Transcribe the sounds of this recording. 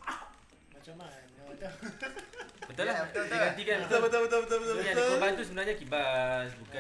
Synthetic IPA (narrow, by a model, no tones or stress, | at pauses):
mat͡ʃama | bət̪ulahdiɡat̪̬ikanbət̪obət̪obət̪obət̪obət̪obəjat̪oəbant̪us̬əbənarɲakibasbuka